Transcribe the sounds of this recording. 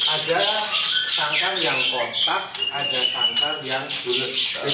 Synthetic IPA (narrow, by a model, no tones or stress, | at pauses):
ʔada | saŋkanjaŋbɔt̪ak̚ʔadasaŋkanjaŋdulʊt̚